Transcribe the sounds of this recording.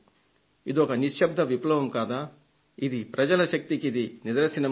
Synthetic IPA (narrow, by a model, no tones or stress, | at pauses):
id̪ɔkɐniʂʃɐbd̪ʱɐʋiplɐʋɐmkaːd̪aː | id̪ipɾɐd͡ʒɐlɐʃɐk̚t̪ikid̪inid̪ɐɾɐsinɐ